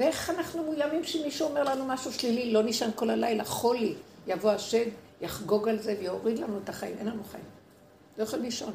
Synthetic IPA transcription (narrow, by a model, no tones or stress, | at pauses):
veeχanaχnumujamimʃemiʃuome̞ʁlanumaʃuʃlililo̞niʃanko̞lalajlaχo̞lijavoaʃe̞d̪ | jaχɡo̞ɡalzevejoʁid̪lanuet̪aχaḭmʔenlanuχajim | lojaχolmiʃon